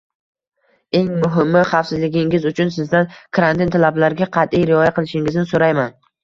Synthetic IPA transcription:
e̞ŋmʊɦɪmːɪχɑfsɪzlɪɡʲɪŋɪzʊt͡ʃʰʊnsɪzd̪ankʰɾant̪ʰɪnt̪ʰalablaɾɡʲaqʰɑt̪ijɾɪɒjaqʰɨlˠɪʃɪŋɪznɪsoɾajman

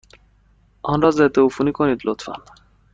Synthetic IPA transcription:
ɒnɾɒzɛt̪eufunikonid̪lot̪fa̰n

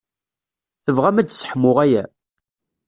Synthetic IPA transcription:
θəvʁæmæd̪sə̥ħmʊʁæjæ

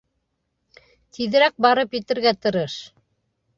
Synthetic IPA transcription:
t̪iðɘ̆ɾæk̚bɑɾɤpjɘ̆t̪ɘ̆ɾɡæt̪ɤ̆ɾɤʃ

